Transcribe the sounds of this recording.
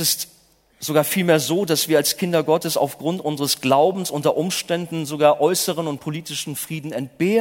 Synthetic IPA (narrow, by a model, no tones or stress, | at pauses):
ɪst | z̥oɡaːɐfiːlmeːɐzoːdasv̥iːɐalskʰɪndɐɡɔtəsa̰ʊfɡ̥ʁʊntʔʊnzəʁəsɡ̥laʊbm̩sʔʊntɐʔʊmʃtɛndn̩zoɡaːɐʔɔʏsəʁ̞ənʊnt̚pʰoliːtɪʃn̩fʁ̥iːdn̩ɛnt̚b̥eː